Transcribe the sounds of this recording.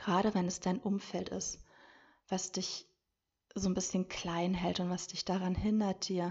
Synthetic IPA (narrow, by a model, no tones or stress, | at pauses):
ɡ̥ʁaːɾəvɛnɛsd̥aɪnʔʊmfɛltɪ̰st | v̥asd̥ɪç | zoːnbɪsçənkʰl̥aɪnɦɛltʊntv̥asd̥ɪçd̥aʁanhɪndɐt̚d̥iːɐ